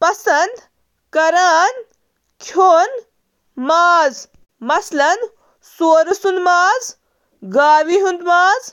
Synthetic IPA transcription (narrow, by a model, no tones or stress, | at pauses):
pɐsɐnd̪ | kɐɾaːn | kʰjoːn | maːz | mɐslɐn | soːɾɐsund̪maːz | ɡaːwiɦund̪maːz